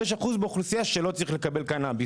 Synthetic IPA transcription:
eʃ̬aχuzbeχlusijaʃelo̞t͡saʁiχle̞kabe̞lkanabi

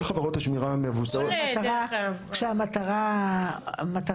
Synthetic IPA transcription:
χavaʁot̪haʃmiʁameavusaoat̪aʁakʃeamataʁa | mat̪a

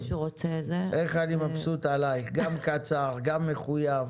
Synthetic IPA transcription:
ʃuʁot͡sezeʔeχalimapsut̪alajɡamkat͡saʁɡamːeχujav

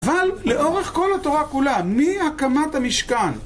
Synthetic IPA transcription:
avalːe̞ʔo̞ʁe̞χko̞lat̪o̞ʁakulamihakamat̪hamiʃkan

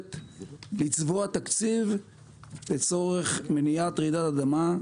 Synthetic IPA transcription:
t̪lit͡svoat̪akt͡siv | let͡so̞ʁeχmenijat̪ʁid̪atad̪ama

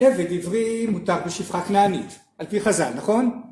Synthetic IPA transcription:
eved̪ivʁimut̪aʁbeʃifχaknaːnit | alpiχaza̰lnaχo̞n

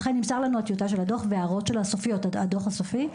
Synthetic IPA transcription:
χenːimsaʁlanuat̪ijutaʃelado̞χveaʁo̞tʃe̞lasofijo̞tado̞χasofi

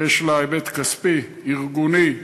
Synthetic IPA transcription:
eʃlaajbet̪kaspi | iʁɡuni

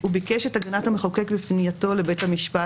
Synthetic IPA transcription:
ubikeʃetaɡanathameχakekbifnijato̞le̞bethamiʃpa

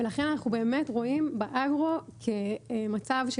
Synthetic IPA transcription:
velaχe̞nanaχube̞ːme̞tʁo̞imbeʔaɡʁo̞kʰemat͡savʃ

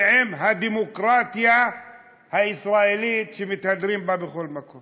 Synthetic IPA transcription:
ʕɪmɦad̪imʊkɾaːt̪ja | haʔɪsɾˤaːʔɪlijːt̪ʃimɪt̪had̪ɾiːmbabɪxʊlmakum

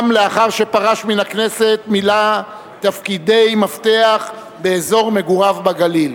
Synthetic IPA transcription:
mleaχaʁʃe̞paʁaʃminakne̞se̞t̪mila | t̪afkid̪e̞jmaft̪e̞aχ | beːzo̞ʁme̞ɡuʁavbaɡalil

